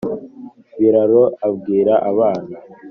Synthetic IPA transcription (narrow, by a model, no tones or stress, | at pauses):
βiɾaɾoabɡiːɾaʔaβaːna